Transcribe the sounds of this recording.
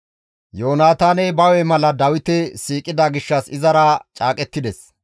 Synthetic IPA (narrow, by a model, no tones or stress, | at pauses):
joːnaːt̪aːnɛbɐwɛmɐlɐd̪ɐwɪt̪ɛsiːkʼɪd̪ɐɡɪʃːɐsɪzɐɾɐt͡ʃʼaːkʼɛt̪ːɪd̪ɛs